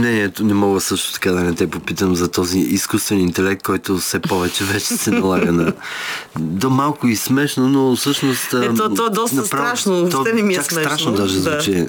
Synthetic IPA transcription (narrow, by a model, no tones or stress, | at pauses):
mnɛniɛt̪onɛmɔɡəsɤʃt̪ʊ̥t̪ɐ̥kad̪ɐnɛt̪ɛpopit̪əmzɐt̪ɔziʔiskust̪vɛnint̪ɛlɛk̚t̪̚kːɔjt̪ofsɛpɔvɛt͡ʃɛvɛt͡ʃɛsɛnɐlˠaɡənɐ | d̪omalˠkʊismɛʃnonofsɤʃnost̪ɛt̪ɔɔd̪ɔstnɐpɾavɾaʃnot̪ɔɛnɛmit͡ʃaksɾaʃnod̪aʒɛzvut͡ʃɛ